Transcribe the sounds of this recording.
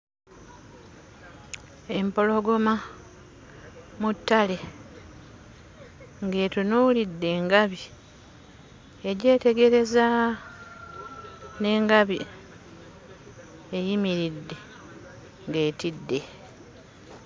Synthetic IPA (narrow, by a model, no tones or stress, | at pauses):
e̞mpo̞lo̞ɡo̞ma | mutːale̞ | ŋɡe̞ːtunulidːe̞ːŋɡaβi | eɟe̞ːte̞ɡe̞ɾe̞za | ne̞ːŋɡaβi | ejimiɾidːe̞ | ŋɡe̞ːtidːe̞